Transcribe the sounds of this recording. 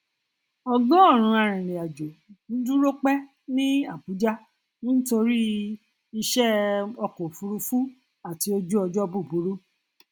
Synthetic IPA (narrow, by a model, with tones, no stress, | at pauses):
ɔ˧ɡɔ̃˦ɔ˦˨ɾ̃ũ˧a˨ɾ̃ĩ˨ɾẽ˨a˨d͡ʒo˨ñ̩˨˦du˦ɾo˦k͡pɛ˦ | nĩ˦a˦˨bu˨˦d͡ʒa˦ | ñ̩˦to˧ɾi˦ | i˧ʃɛ˦ɔ˧ko˨fu˧ɾu˧fu˦ | a˦˨ti˧˦o˧d͡ʒu˦ɔ˧d͡ʒɔ˦bu˦˨bu˨˦ɾu˦